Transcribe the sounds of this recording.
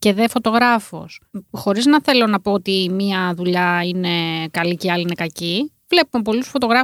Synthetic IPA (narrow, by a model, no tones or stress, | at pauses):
ce̞ðefo̞t̪o̞ɣɾɐfo̞̰sxo̞ɾiznɐθe̞lo̞nɐpo̞ot̪imiɐðuʎɐine̞kɐliceɐliinekɐci | vle̞pumep̬o̞lusfo̞t̪o̞ɣɾɐ